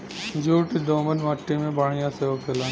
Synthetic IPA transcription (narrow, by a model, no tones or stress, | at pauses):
d͡ʒuːʈid̪oːmənmɐʈːimẽbɐɽ̤ijãseokʰelaː